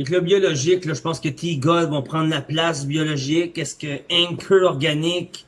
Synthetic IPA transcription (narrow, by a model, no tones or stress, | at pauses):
eklɔbjɔlɔʒɪklɔʒəpɑ̃skət̪ʰiɡɔlvɔ̃pχɑ̃d̪ʁlaplasbjɔlɔʒɪkɛskəɛ̃ŋkʲʰøɔʁɡanɪkʲ